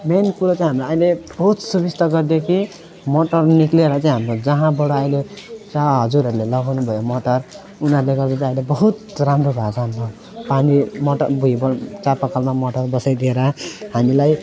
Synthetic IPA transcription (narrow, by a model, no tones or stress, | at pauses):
menpult͡saj̃ɦamlaʌjleb̥ʌɦut̪subist̪ʌɡʌrd̪jekʰi | moʈʌrnikleɾʌt͡saĩɦamrod͡zʌɦãbʌɽoʌjlet͡saɦʌd͡zuɾɦʌɾulelʌɡawnubʱʌjomoʈʌr | unʌɾleɡʌɾd̪at͡saʌ̃ilebʌɦut̪ramɾobʱad͡zanbʱʌo | panimoʈʌbʱuibʌt͡sapakalmamoʈʌrbʌsajd̪ieɾʌhamilaj